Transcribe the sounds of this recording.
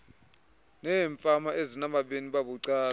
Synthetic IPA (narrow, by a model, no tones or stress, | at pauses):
nɛːɱfʼamaʔezinamaɓeniɓaɓuǀaː